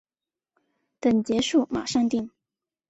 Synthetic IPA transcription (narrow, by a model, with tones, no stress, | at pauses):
t̪ə˨˩ŋt͡ɕjɛ˧˥ʂu˥˩ma̰˨˩ʂɑ˥˧ŋt̪i˥˩ŋ